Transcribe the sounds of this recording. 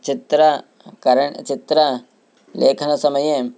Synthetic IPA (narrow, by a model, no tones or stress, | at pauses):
t͡ʃit̪ɾɐ | kɐɾɐɳt͡ʃit̪ɾɐ | leːkʰɐnɐsɐmɐje